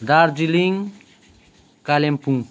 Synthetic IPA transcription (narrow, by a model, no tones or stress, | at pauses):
d̪aɾd͡ʒiliŋ | kalempũŋ